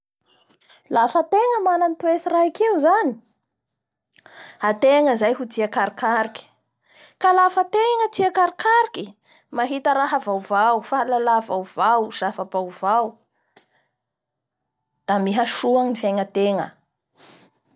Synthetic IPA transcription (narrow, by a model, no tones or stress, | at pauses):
lafət̪eŋəmanant̪uesiraikeuzani̥ | at̪eŋəzajɦudiakaɾikaɾiki̥ | kalafət̪eŋət͡siakaɾikaɾiki | maɦit̪əɾaɦəvawvawfalalavawvawz̥afabawvaw | d̪̥amiɦaʃuaŋifeŋət̪eŋə̰